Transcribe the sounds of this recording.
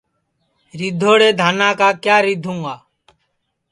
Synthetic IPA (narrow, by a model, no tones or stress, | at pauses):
ɾɪd̪ʱːoːɽeːd̪ʱaːnaːkaːkjaːɾɪd̪ʱũːaː